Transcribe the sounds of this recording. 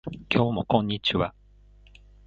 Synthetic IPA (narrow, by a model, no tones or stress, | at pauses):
kʲʰo̞ːmo̞̰kõ̞ɲ̟ːit͡ɕiβa